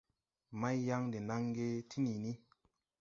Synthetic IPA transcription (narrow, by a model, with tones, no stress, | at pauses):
ma˦jːa˦ŋde˨na˦ŋɡe˦tʰi˦ni˨ni˦